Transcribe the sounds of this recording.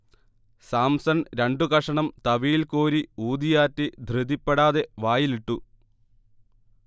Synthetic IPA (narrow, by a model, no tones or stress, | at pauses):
saːmsɐnɾeɳɖukɐʂɐɳɐmt̪ɐʋiːlkoːɾiuːd̪ijaːtːid̪ʱrɨd̪ipːeɽaːðe̞ʋaːjiliʈːu